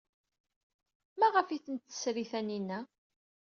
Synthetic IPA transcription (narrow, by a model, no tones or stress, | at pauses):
mæʁəfiθənt̪ːə̥sɾiθæninːæ